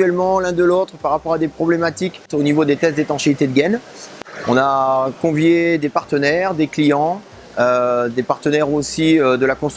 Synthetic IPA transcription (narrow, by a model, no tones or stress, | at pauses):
ɥɛlmɑ̃lɛ̃d̪əlot̪χpaʁapɔʁad̪epχɔblemat̪ikonivod̪et̪ɛst̪d̪et̪ɑ̃ʃiit̪ed̪əɡɛn | ɔ̃nakɔ̃vjed̪epaʁt̪ənɛʁd̪eklijɑ̃ | ød̪epaʁt̪ənɛʁosiød̪əlakɔ̃st̪